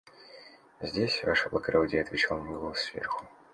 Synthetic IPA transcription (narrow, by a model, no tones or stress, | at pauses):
zʲdʲesʲvaʂəblˠɐkɾodʲɪjəɐt̪vʲɪt͡ɕalˠnnʲɪvosvʲḛrxʊ̥